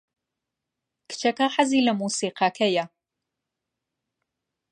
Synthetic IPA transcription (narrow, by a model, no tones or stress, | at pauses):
kʰt͡ʃʰɐkʰɐħaziːlɐmuːsiːqɑːkʰɐja